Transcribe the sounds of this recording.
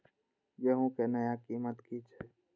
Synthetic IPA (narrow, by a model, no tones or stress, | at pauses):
jeːɦõkeːnəjaːkiːmət̪kiːt͡ʃʰɛː